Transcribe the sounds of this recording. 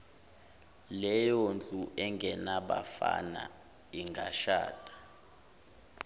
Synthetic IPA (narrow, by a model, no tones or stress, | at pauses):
lɛjɔnd͡ɮʱʼuʔɛŋɡʱɛnaɓa̰fa̰na̰ | iŋɡʱaʃa̰ːtʼḁ